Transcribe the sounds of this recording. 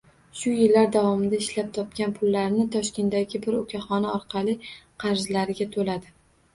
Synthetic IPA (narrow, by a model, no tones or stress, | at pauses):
ʃʊjɪlːaɾd̪avɒmɪd̪aɪʃlap̚t̪ʰɒp̚kʲanpʰʊlːaɾnɪt̪ʰɒʃkʲʰe̞nt̪d̪aɡʲɪbɪɾʊkʲʰaχɒnɪɒɾqʰɑlˠɪqʰɑɾzlaɾɪɡʲat̪ʰolad̪ɪ